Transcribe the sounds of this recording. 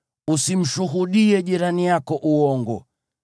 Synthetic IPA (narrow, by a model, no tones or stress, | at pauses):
usim̩ʃuɦuɗiɛʄiɾanijakɔʔuɔŋɡɔ̰